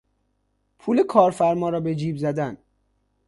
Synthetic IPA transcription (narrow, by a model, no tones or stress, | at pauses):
pʰuːle̞kʰɒːɾfæɾmɒːɾɒːbe̞d͡ʒiːbzæd̪æn